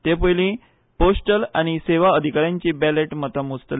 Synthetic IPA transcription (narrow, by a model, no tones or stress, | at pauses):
t̪epəjlĩ | posʈəla̰ɽ̃iseʋaəd̪ʱikaɾjãɲt͡ɕiːbæleʈmət̪əmut͡st̪ə